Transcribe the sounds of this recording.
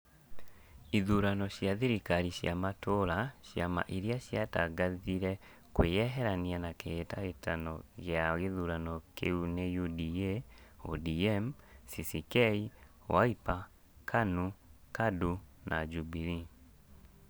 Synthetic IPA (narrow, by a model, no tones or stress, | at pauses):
iðuɾanɔɕjaðiɾikaɾiɕjamatoɾaʃjama̰ʔiɾjaʃjataɡaðiɾɛ | kwejɛɦɛɾanianakeetaetanɔ̰ɣeaɣeðuːɾanɔkʰeunejudieo̰diɛmsisikɛi | wa̰ipa | kʰanukadunʔad͡ʒubiɾi